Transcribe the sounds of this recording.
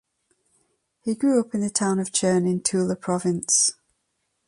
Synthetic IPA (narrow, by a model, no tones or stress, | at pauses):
hiɡɹʉːʊpɪ̃nðətʰãʊ̃nəv̥t͡ʃʰɜːnɪ̃ntʰʉːlˠəpʰɹ̥ɒvɪ̃ns